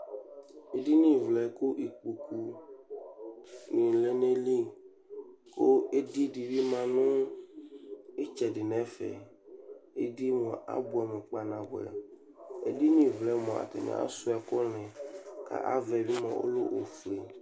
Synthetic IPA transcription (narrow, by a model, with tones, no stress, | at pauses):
e˨di˦nĩ˦vlɛ˨ko˦ʔi˨k͡pu˨ku˦ | nĩ˨le˦ne˦li˦ | ko˦e˦di˦di˨bi˦mã˨nʊ̃˦ | e˦t͡ʃɛ˨dɪ˨nɛ̃˨˦fɛ̰˨ | e˦di˦mɔ̃˨a̰˦bu˨a˨mɛ̃˨k͡pa˨nã˨ɣʊ˨ɛ̰˨ | ḛ˦di˦nĩ˨vlɛ˨˦mɔ̃˨a̰˨t̪ɛ̰˨mɛ̰̃˨˦a̰˦sʊ˦ɛ˨kɔ˦lɛ̃˨ka̰˦ʔa̰˦vɛ˨bi˦mã˨o̰˦lo˦ʔo˨fle˨